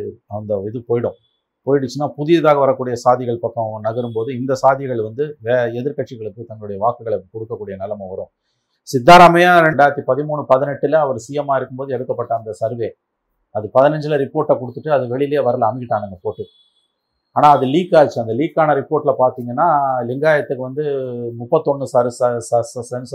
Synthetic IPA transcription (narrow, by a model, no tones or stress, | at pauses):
ɐnd̪ɐɪðɯpoːjɪɽʊ̃ | poːjɪɽɯt͡ʃːɯnːaːpʊðɪjɐðaːɣɐʋɐɾɐkːuːɽɪjɐsaːðɪɣɐɭpɐkːɐ̃nɐɣɐɾɯmpoːðɯɪnd̪ɐsaːðɪɣɐɭʋɐnd̪ɯʋeɛðɪɾkɐʈʂɪɣɐɭɯkːɯt̪ɐŋɡɐɭɯɽɐjɐʋaːkɯɣɐɭkɔɽɯkːɐkːuːɽɪjɐnɪlɐmɐʋɐɾõ̰ː | sɪd̪ːaːɾamɐjaːɾɛɳɖaːɪɾɐt̪ːipɐðɪmuːɳɯpɐðɪnɛʈːɪlɐɐʋɐɾsijɐmaːɪɾɯkːɯmpoːðɯɛɽɯkːɐpːɐʈːɐːnd̪ɐsɐɾʋeː | ɐðɯpɐðɪnɐɲd͡ʒɪlɐɾɪpːoːɾʈːɐkɔɽɯt̪ːɯʈːɯɐðɯʋɛɭɪjljeːʋɐɾɐlːmɪkɪʈːaːnɯŋɡɐpoːʈːɯ | aːnaːɐðɯliːkːaːðt͡ʃːɯɐnd̪ɐliːkːaːnɐɾɪpoːɾʈːɪlɐpaːɾt̪iːŋɡɐnːaːlɪŋɡaːjɐt̪ːɯkːɯʋɐnd̪ɯmʊpːɐt̪ːɔɳːɯsaɾɯsssɐsɐns